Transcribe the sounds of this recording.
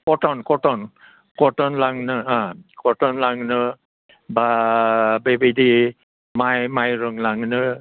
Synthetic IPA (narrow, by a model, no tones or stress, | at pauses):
kɔtɔnkɔtɔn | kɔtɔnlaŋnɯãkɔtɔnlaŋnɯ | ba | bebedi | majmajɾɯŋlaŋnɯ